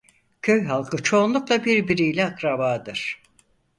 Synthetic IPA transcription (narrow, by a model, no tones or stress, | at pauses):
cʰø̞jɦalˠkʰɯt͡ʃʰo̞ːnlˠuklˠabiɾbiɾijlʲɛakɾabaːd̪ɯɾ̥